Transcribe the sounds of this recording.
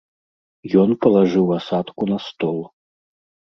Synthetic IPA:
jɔnpɐlˠaʐɨwasat̪kunɐst̪ɔlˠ

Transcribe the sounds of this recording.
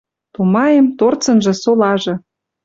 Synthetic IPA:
t̪umɑjemt̪ort͡sɤ̆nʒɤ̆solɑʒɤ̆

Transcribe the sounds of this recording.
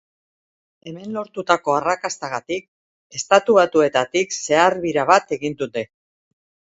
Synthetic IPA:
e̞me̞nlo̞ɾt̪ut̪ako̞arakast̪aɣat̪ik̚ | e̞st̪at̪uβat̪ue̞t̪at̪ikse̞aɾβiɾaβat̪e̞ɣind̪ut̪e̞

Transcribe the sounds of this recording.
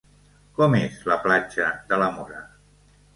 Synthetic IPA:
kɔmezləplad͡ʒəd̪ələmoɾə

